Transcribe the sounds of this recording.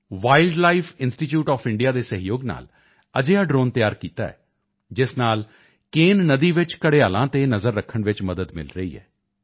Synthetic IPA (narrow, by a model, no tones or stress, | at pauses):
ʋaːɪlɖlaːipʰɪnsʈiːʈjuːʈɔːpʰɪɳɖijaːd̪eːsəɦɪjoːɡna̰ːl | əd͡ʒeːaːɖɾoːnt̪ɪjaːɾkiːt̪a̰ːɛ̰ː | d͡ʒɪsnaːl | keːnːəd̪iːʋɪt͡ʃkəɽeːaːlãːt̪eːnəzəɾːəkʰːəɳʋɪt͡ʃməd̪əd̪mɪ̰lɾəḭːɦɛ̰ː